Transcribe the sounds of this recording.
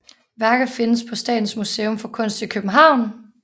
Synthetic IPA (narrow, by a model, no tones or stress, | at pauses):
ʋæɐɡ̥əfe̝nəspʰɒ̽sd̥ɛ̰ːd̥n̩smuseːɔmfɒ̽kʰɔ̽n̰sd̥ikʰøb̥n̩ɦɑ̈ʊ̰n